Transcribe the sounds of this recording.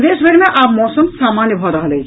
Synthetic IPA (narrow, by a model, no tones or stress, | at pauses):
d̪eːʃbʱɐɽmẽʔaːpmɔːsəmsaːmaːnjəbʱaɾɐɦlət͡ʃʰ